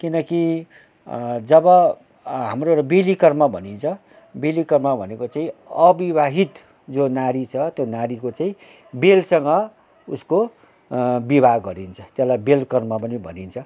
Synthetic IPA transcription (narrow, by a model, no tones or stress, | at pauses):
kinʌki | d͡zʌbʌ | ɦamroɾʌbelikʌrmabʱʌ̰nint͡sʰʌ | belikʌrmabʱʌnekot͡saĩʌbibʱaɦit̪ | d͡zonaɾit͡sʰʌt̪jonaɾikot͡saĩ | belsʌŋɡʌ | usko | bibʱaɡʌɾint͡sʰʌ̥t̪jeslajbelkʌrmapʌnibʱʌ̰nint͡sʰʌ